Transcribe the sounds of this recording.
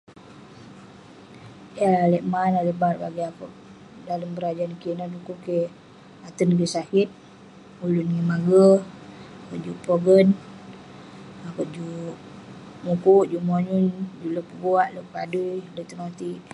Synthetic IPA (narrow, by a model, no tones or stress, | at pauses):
jaaləʔmanaləʔbarbaɡiakoʔ | daləmbəɾad͡ʒaːnkinadukuke | at̪ənkisakit̪̚ | ulunŋimaɡə | akoʔd͡ʒuʔpɾoɡən | akəʔd͡ʒuʔ | mukuʔd͡ʒuʔmoɲund͡ʒuləpəɡuaʔləʔkadujləʔt̪əŋat̪iʔ